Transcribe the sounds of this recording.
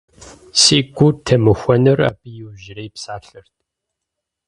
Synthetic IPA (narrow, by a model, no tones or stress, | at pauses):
siːɡʷʊtʰɐmɨxʷɔnɨra̰ːbɨjɪwʒɪɾɐjpsaːɬɐrtʼ